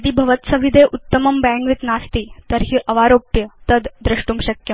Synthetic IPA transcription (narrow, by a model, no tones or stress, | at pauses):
d̪iːbʱɐʋət̪səʋid̪ʱeʔut̪ːəmɐmbæ̃ŋɡʋit̪nast̪iːt̪əɾɦiːʔəʋaɾopjət̪əd̪d̪ɾɐʂʈuːmɕɐkjə